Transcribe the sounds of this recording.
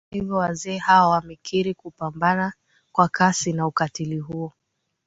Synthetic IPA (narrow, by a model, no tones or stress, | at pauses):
ivɔwazɛːhawawamɛkʰiɾikupambana | kwakʰasinaukatiliɦuɔ